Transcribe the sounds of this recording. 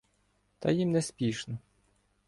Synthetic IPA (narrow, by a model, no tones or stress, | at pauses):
t̪ɐjimnɛspʲiʃnɔ